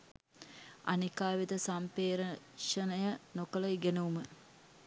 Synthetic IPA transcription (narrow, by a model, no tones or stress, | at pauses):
a̰nikaːʋid̪əsampeːɾə | ʂənəjənokəlɐiɡenəumə